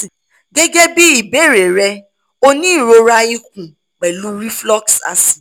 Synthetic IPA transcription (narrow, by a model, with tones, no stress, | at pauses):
ɡɛ˦ɡɛ˦bi˦i˨be˦˨ɾe˨ɾɛ˧ | o˦nĩ˦˨ɾo˧ɾa˧i˦k̚ũ˨ | k͡pɛ˨lu˦ɾi˦flɔ˦ksa̰˨sĩ̥˨